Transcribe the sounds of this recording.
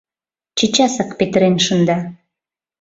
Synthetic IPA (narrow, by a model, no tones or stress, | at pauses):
t͡ɕet͡ɕɑsɤqpet̪ɘ̆ɾenʃŭnd̪ɑ